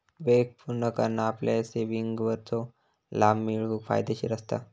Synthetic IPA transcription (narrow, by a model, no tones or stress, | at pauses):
ʋek̚puɾnəkəɾnaːpleseʋiŋɡʋəɾt̪ʰo | laːmːiɭufʰa̰ːjd̪eɕiɾəst̪a̰